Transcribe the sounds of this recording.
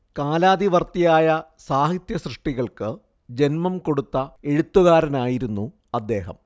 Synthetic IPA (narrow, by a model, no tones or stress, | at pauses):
kaːlaːd̪iʋɐrt̪ijaːjɐ | saːɦit̪jɐsrɨʂʈiɣɐɭkɨ | d͡ʑe̞nmɐmko̞ɽut̪ːɐe̞ɻut̪ːuɣaːɾɐnaːjiɾunːu | ɐd̪ːe̞ːɦɐ̰m